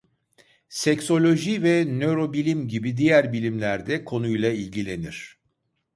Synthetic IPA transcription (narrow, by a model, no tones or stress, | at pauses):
sɛcso̞lʲo̞ʒivɛnø̞ɾo̞bilʲimɟibid̪ijæɾbilʲimlʲæɾd̪ɛkʰo̞nujlˠailʲɟilʲe̞niɾ̥